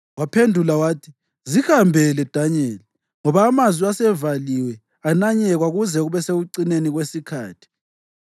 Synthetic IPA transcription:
wapʰendʱulawaːtʰi | zihambʱɛlɛd̥ʱaɲɛːl | ŋɔβaːmazwiasɛvaliwɛ | anaɲɛɣwaɣuzɛɣuβɛseɣuǀineniɣwesikʰa̰ːtʰi̥

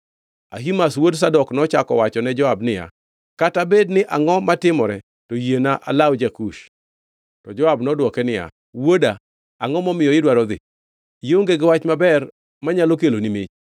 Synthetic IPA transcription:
a̰ɦimaswods̬adɔknɔt͡ʃakɔ̰wat͡ʃɔnɛd͡ʒɔabnɪja̰ | katabednɪʔaŋɔmatɪmɔɾɛ | tojenaʔa̰lawd͡ʒakuʃ | tɔd͡ʒɔabnɔdwɔkɛnɪja̰ | wodaː | ŋɔmɔmɪjɔɪdwaɾɔd̪ɪ̰ | joŋɡeɡɪwat͡ʃmabɛr | maɲalokelonimɪt͡ʃ

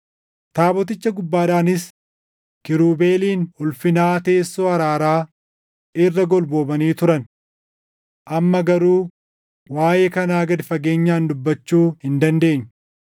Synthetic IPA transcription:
t̪aːbɔt̪̬ɪt͡ʃːɐɡʊbːaːᶑaːnɪs | kɪɾuːbe̞ːliːnhʊlfɪnaːt̪e̞ːsːoːɐɾaːɾaː | ɪrːɐɡɔlbo̞ːbɐniːt̪ʊɾɐn | ʔɐmːɐɡɐɾuː | waːjekɐnaːɡɐd̪ɪfɐɡe̞ːɲːaːnd̪ʊbːɐt͡ʃːuːhɪnd̪ɐnd̪e̞ːɲː

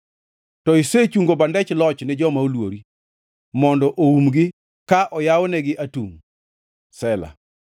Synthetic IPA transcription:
tɔiset͡ʃuŋɡobandɛt͡ʃlɔt͡ʃnɪd͡ʒɔmaolwoɾi | mɔndɔʔoumɡɪ | kaʔɔjawɔnɛɡɪʔatṵŋ | sɛla̰

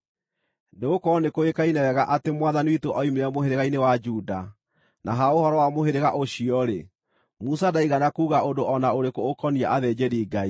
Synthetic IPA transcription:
neɣokɔnekoekainɛwɛɣaʔatemwaðaniwitoʔɔimeamoɦeɾeɣainewad͡ʒuda | nʔaɦaohɔɾɔwamoɦeɾeɣaʔoɕiɔɾe | musadaiɣanakuːɣaondoʔɔnaoɾekoːkɔnia̰ʔaðɛd͡ʒeɾiːɡai

